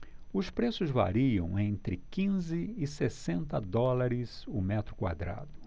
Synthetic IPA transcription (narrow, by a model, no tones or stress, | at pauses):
ʊspɾesʊzva̰ɾiɐ̰̃w̃ẽnt̪ɾɪkĩzɪːsesẽnt̪ɐd̪ɔlaɾɪzʊmɛt̪ɾʊkwa̰d̪ɾa̰d̪ʊ